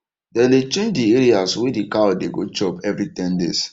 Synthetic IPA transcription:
dɛlet͡ʃẽnd͡ʒdiɛɾiaswedikaodeɡo̰t͡ʃɔpɛvɾitɛ̃ndḛs

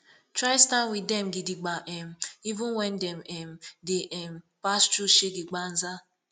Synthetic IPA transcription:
tɾaɪstanwɪdɛm̩ɡɪdɪɡ͡baʔɛm̩ivʊ̃nwɛn̩dɛmɛm̩dɪʔɛm̩ | past͡ʃuʃeɡɪɡ͡ban̩za

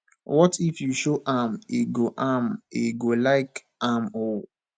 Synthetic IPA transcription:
wɔtifjuʃoʔameɡoʔameɡolaɪk | amo

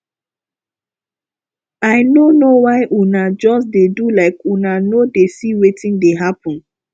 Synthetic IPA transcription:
aɪnonowaɪʔunad͡ʒɔsdedulaɪkunanodesiwetĩndeɦapɔ̃n

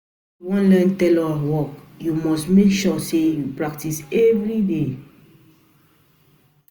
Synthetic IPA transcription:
wɔ̃nlɛ̃ntɛlɔwɔkjumɔstmekʃɔsejupɹak̚tisɛvɹide

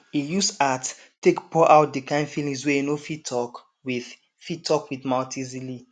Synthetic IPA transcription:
ijusat | tːekpʰɔʔaʊt̚dikãɪ̃ndfilĩŋsweenofitʰɔk | wið | fitʰɔkwiðmãltʰĩzili

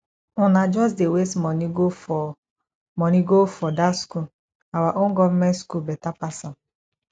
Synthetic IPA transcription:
ʊnad͡ʒɔs̬dewesmɔno | mɔniɡofɔdasku | awaʔʊŋ̩ɡɔm̩meskubetapasa

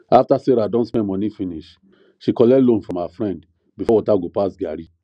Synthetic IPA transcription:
aftaseɾadɔ̃ntspɛ̃nmɔnifĩniʃ | ʃikɔlɛlõnfɹɔ̃mafɹɛ̃nd | bifɔwɔtaɡopasɡaɾi

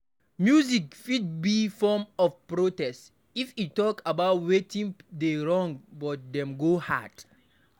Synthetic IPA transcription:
mjuzikfid̚bifɔmɔfpɹotɛst | ifitːɔkabaʊtwetĩŋdeɹɔ̃ŋbɔt̚dɛ̃mɡoha̰d̥

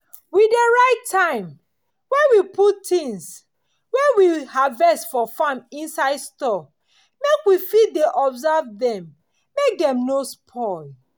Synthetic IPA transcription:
wideɹaɪtʰːãɪ̃m | wɛ̃nwiputtĩŋs | wɛwihavɛstfɔfãmĩnsaɪdstɔ | mekwifideʔɔbzavdɛ̃mː | ek̚dɛ̃mnospʰɔl

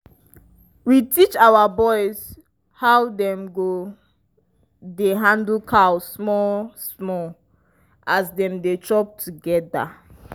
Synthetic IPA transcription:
witit͡ʃawabɔɪz̥ | haʊwdɛ̃mɡo | deɦãndlkʰawmɔsmɔ | ʔazdɛ̃mdetʰɹɔp̚tʰuɡɛda̰

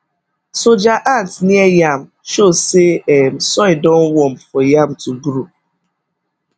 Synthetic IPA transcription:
sod͡ʒaʔantniejam̩ʃoseɛm̩sɔɪdɔ̃n̩wɔm̩fɔjam̩tuɡɾu

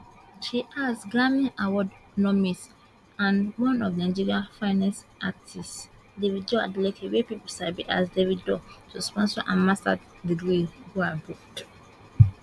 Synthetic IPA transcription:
ʃiʔasɡamĩawɔdnɔmis | ãnwɔ̃nɔvnãɪd͡ʒiɹiafãɪnɛsatʰis | deviddɔa̰dletɛwepipsabiʔa̰sdeviddɔtʰuspɔ̃nsɔʔã̰nmasta̰ | bidwilɡuabuk̚t

